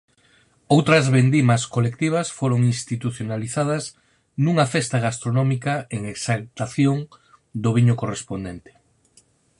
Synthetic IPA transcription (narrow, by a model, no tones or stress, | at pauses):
owt̪ɾɐzβend̪imɐskolekt̪iβ̞ɐsfoɾoŋinst̪it̪uθjonaliθað̞ɐz | nuŋɐfest̪aɣ̞ast̪ɾonɔmikɐeŋeksalt̪aθjoŋ | d̪oβ̞iɲʊkorespond̪ent̪e̥